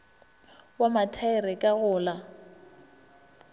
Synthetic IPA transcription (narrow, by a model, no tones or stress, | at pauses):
wamatʰaɪrɪkʼaɣʊːla